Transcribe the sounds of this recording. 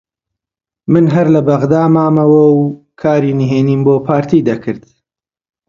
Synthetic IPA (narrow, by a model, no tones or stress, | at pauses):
mɨnɦɐɾlɐbɐɣd̪aːmaːmɐwɐw | kʰaːɾiniɦeːniːnboːpʰaːɾt̪ʰiːd̪ɐkʰɨɾd̪̥